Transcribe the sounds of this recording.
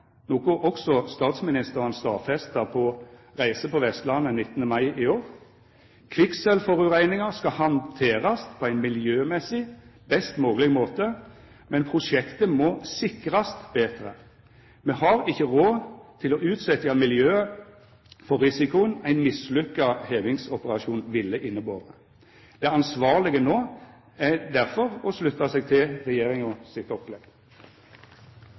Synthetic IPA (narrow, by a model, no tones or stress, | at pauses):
noːɡoʔɔksɔst̪ɑːt̪smɪnɪst̪əʁənst̪ɑ̰ːfɛst̪əpʰɔʁæɪsəpɔʋɛst̪lɑnːənɪt̪ːənəmɑɪʔɪoːʁ | kʰʋɪksɛlfɔʁʉʁæɪnɪŋəʁskɑhɑnt̪ʰeːʁɑst̪pʰɔæɪnmɪljøːmɛsɪbɛst̪moːɡəlɪɡmoːt̪ə | mɛnpʰʁʊʂɛkt̪əmɔːsɪkːʁɑst̪b̥eːt̪ʁə̰ | mɛhɑɾɪçːəʁoːt̪ʰɪlɔʔʉːt̪sɛt̪jɑmɪljøːə | fɔɾʁɪsɪkʊənæɪnmɪslʏkːɑheːʋɪŋsɔpəʁɑʃuːnʋɪlːəʔɪnːəboːʁə | d̪̥ɛɑnsʋɑːʁlɪɡənoː | æd̪æʁfɔʁɔslʉt̪ːɑsɛɡ̚t̪ʰɪlʁɛjeːʁɪŋɔsɪt̪ɔplɛɡ